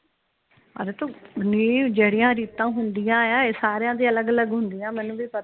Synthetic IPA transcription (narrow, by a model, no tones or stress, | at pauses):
ə̰d̪eːt̪õːnid͡ʒeːɽɪjãːɾiːt̪ãːɦʊnd̪ɪjãːjaːeːsaːɾejãːd̪iːələɡələɡɦʊnd̪ijãːmɛːnũːʋiːpə